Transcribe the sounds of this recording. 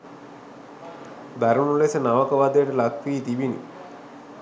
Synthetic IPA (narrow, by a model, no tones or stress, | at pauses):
d̪ʱaɾɐmulesɐnaʋəkɐʋaːd̪ɐjʈɐlɐkʰʋiːt̪iʋinḭ